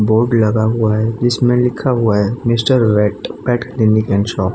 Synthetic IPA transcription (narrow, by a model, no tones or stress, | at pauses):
boːɾɖlɐɡaɦuaɦɛd͡ʒɪsmẽlɪkʰaɦʊaɦɛmɪsʈəɾʋɛːʈpɛːʈklɪnikɛ̃ːnʃɔː